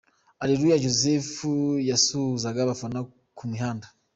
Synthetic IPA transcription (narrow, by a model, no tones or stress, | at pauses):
aɾiɾujaʒozefujasuːzaɡaβafana | kumiɦaːnda